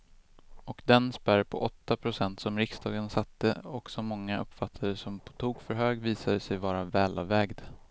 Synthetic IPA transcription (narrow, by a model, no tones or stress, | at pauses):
ɔkd̪ɛnspæɾpʰɔ̰ʔɔt̪ːapʰɾʊsɛnt̪sɔmɾɪkst̪ʰɑːɡənsat̪ːəɔksɔmːɔŋːaʔɵpːfat̪ʰːaɾəsɔmpʰɔ̥t̪ʰuːɡfœɾɦøːɡviːsad̪əsɛjvɑːɾavɛːlɑvɛːɡd̪